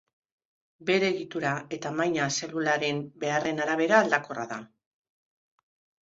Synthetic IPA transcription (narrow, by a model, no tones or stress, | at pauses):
be̞ɾeɣit̪uɾae̞t̪amajɲase̞lulaɾe̞mbe̞are̞naɾaβ̞e̞ɾaːld̪ako̞ra̰ða